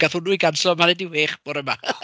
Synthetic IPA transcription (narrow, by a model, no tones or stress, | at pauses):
ɡ̥aθʊnuːjɡansɔmanɛdɪwheːχb̥ɔɾɛma